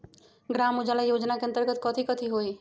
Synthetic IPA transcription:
ɡɾamud͡ʒalajod͡ʒnakeə̃nt̪əɾɡət̪̚kət̪ʰikət̪ʰiɦoj

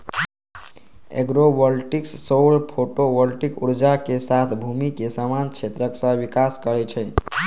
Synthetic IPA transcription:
ḛɡɾobəlʈiksːoɽpʰoʈobəlʈikuɾd͡ʒakesat̪ʰbʱumikesamant͡ʃʰet̪ɾəksə̃bikaskəɾɛt͡ʃʰɛ

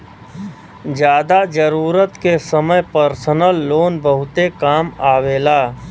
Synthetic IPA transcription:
d͡ʒjaːd̪ad͡ʒəɾuːɾət̪kesəməjpəɾsənəlːoːnbəɦʊt̪ekaːmaːʋeːlaː

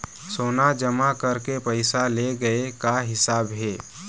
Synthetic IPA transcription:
soːnad͡ʒəmakəɾkepəɪsaleɡəekaɦɪsaːbɦeː

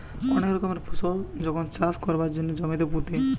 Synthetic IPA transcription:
ɔnekɾɔkɔmeɾpʰusold͡ʑɔkʰont͡ʃaskɔɾbaɾd͡ʑd͡ʒonːed͡ʒɔmit̪eput̪i

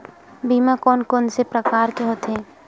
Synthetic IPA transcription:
biːmakɔːnkɔːnsepɾəkaːɾkeɦoːt̪ɦɛ̃ː

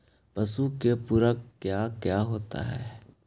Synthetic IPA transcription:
pɐsukepuɾəkkjaːkjaːɦoːt̪a̰ɦɛ̰ː

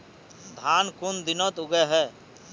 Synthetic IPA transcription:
d̪ʱaːnkʊnd̪ɪnɔt̪ʊɡɛɦɛː

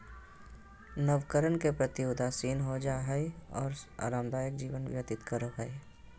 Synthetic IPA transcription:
nəʋkəɾənkepɾət̪ijoːd̪asiːnɦod͡ʒaːɦɛiɔ̰ːɾa̰ːɾaːmd̪aːjəkd͡ʒiːʋənʋjət̪ɪt̪kəɾəbɦɛe

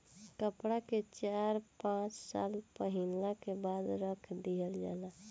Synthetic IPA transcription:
kəpɽaket͡ʃaɾpãt͡ʃsa̰lpəɦinlakebad̪ɾəkʰd̪iəld͡ʒa̰la

